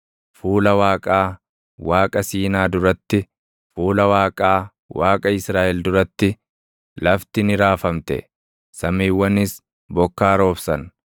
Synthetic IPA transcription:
fuːlɐwaːkʼaː | waːkʼɐsiːnaːd̪ʊɾɐt̪ːɪ | fuːlɐwaːkʼaː | waːkʼɐɪsɾaːʔɛld̪ʊɾɐt̪ːɪ | lɐft̪ɪnɪɾaːfɐmt̪ɛ̰ | sɐmiːwːɐnɪs | bɔkːaːɾo̞ːfsɐn

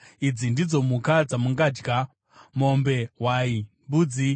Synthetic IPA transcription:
id͡zindid͡zo̞mukad͡zamuŋɡaːd͡ʒɡa | mo̞mbe̞waimbuːd͡zi

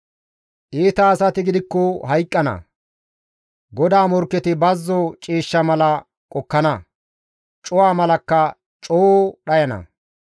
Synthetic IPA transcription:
ʔiːt̪ɐːsɐt̪ɪɡɪd̪ɪkːɔhɐjkʼːɐnɐ̰ | ɡɔd̪aːmɔɾkːɛt̪ɪbɐzːɔt͡ʃʼiːʃːɐmɐlɐ | kʼɔkːɐnɐ | t͡ʃʼʊwaːmɐlɐkːɐ | t͡ʃʼoːɗɐjɐnɐ̰

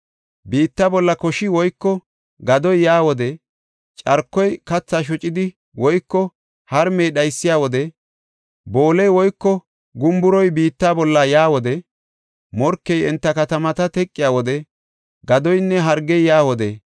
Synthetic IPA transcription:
biːt̪ːaːbɔlːɐkɔʃɪwɔjkːɔ | ɡɐd̪ɔjjaːwɔd̪ɛ | t͡ʃʼɐɾkːɔjkɐt͡sːaːʃ̬ɔt͡ʃʼɪd̪ɪ | wɔjkːɔ | hɐɾmɛjɗɐjsːɪjaːwɔd̪ɛ | bo̞ːlɛjwɔjkːɔ | ɡʊmbʊɾɔjbiːt̪ːaːbɔlːɐjaːwɔd̪ɛ | mɔɾkːɛjɛnt̪ːɐkɐt̪ɐmɐt̪ɐt̪ɛkʼːɪjaːwɔd̪ɛ | ɡɐd̪ɔjnːɛɦɐɾɡɛjjaːwɔd̪ɛ

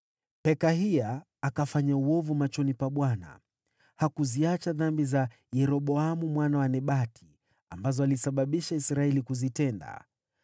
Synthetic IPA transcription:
pɛkaɦiaː | kafaɲauɔvumat͡ʃɔnipaɓwana̰ | hakuziat͡ʃaðambiza | jɛɾɔɓɔamumwanawanɛɓatʰi̥ | ambazɔalisaɓaɓiʃaisɾaɛlikuzitɛnda̰

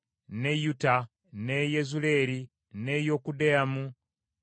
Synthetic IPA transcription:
nejuta | nejezule̞ɾi | nejokudeamu

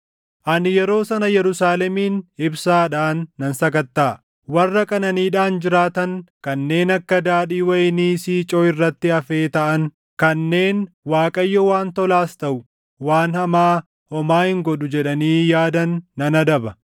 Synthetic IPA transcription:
ʔɐnɪjɛɾo̞ːsɐnɐjɛɾʊsaːlɛmiːnɪbsaːᶑaːnːɐnsɐkɐt̪ːaː | wɐrːɐkʼɐnɐniːᶑaːnd͡ʒɪɾaːt̪ɐŋkɐnːe̞ːnɐkːɐd̪aːᶑiːwɐjniːsiːt͡ʃʼɔːɪrːɐt̪ːɪɐfe̞ːt̪ɐʔɐŋ | kɐnːe̞ːn | waːkʼɐjːɔwaːnt̪ɔlaːst̪ɐʔʊ | waːnhɐmaː | hɔmaːhɪŋɡɔᶑʊd͡ʒɛᶑɐniːjaːd̪ɐnːɐnɐd̪ɐbɐ

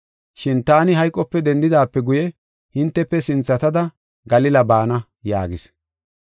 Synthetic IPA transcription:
ʃɪnt̪aːnɪɦɐjkʼːɔpːɛd̪ɛnd̪ɪd̪aːpːɛɡʊjɛ | hɪnt̪ːɛpːɛsɪnt͡sːɐt̪ɐd̪ɐ | ɡɐlɪlɐbaːnɐ | ja̰ːɡɪs

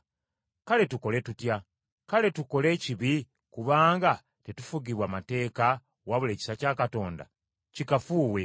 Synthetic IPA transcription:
kale̞tuko̞le̞tutja | kale̞tuko̞le̞ːciβi | kuβaːŋɡa | tetufuɡiβwaːmate̞ːka | waβule̞ːci̥sacaːkato̞ːnda̰ | cikafuːwe̞

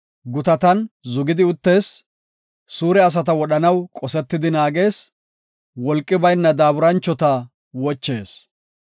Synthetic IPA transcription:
ɡʊt̪ɐt̪ɐnzʊɡɪd̪ɪʊt̪ːe̞ːs | suːɾɛɐs̬ɐt̪̬ɐwɔɗɐnɐwkʼɔsɛt̪ːɪd̪ɪnaːɡe̞ːs | wɔlkʼːɪbɐjnːɐd̪aːbʊɾɐnt͡ʃːɔt̪ɐ | wɔt͡ʃːe̞ːs

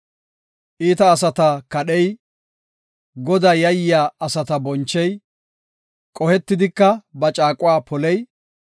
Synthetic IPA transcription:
ʔiːt̪ɐːs̬ɐt̪ɐkɐɗɛj | ɡɔd̪aːjɐjɪjaːɐsɐt̪ɐbɔnt͡ʃːɛj | kʼɔhɛt̪ːɪd̪ɪkːɐbɐt͡ʃʼaːkʼʊwaːpʰɔlɛj

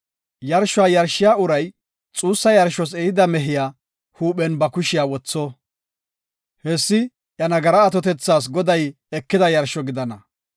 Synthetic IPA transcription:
jɐɾʃʊaːjɐɾʃːɪjaːʊɾɐj | t͡sʼuːsːɐjɐɾʃɔs̬ɛɪd̪ɐmɛɦɪjaː | huːɓɛnbɐkʊʃɪjaːwɔt͡sːɔ | hɛsːɪ | ʔjɐnɐɡɐɾɐːt̪ɔt̪ɛt͡sːaːs̬ɡɔd̪ɐj | ɛkːɪd̪ɐjɐɾʃɔɡɪd̪ɐnɐ

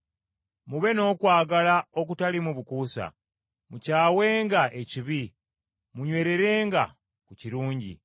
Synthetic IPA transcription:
muβe̞no̞ːkwaːɡalao̞k̬utalimuβukuːsa̰ | mucaːwe̞ːŋɡaʔe̞ciβi | muɲwe̞ːɾe̞ɾe̞ːŋɡa | kuciɾuːɲɟḭ

